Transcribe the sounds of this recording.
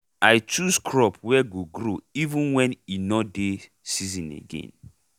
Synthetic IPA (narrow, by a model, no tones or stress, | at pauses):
aɪt͡ʃuskʰɹɔpwɛɡoɡɾoivũnwɛ̃ninɔde | sizĩnḛɡḛ̃n